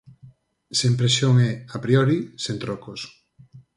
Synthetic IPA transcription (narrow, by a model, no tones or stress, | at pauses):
sempɾesjoŋɛapɾiɔɾisent̪ɾokos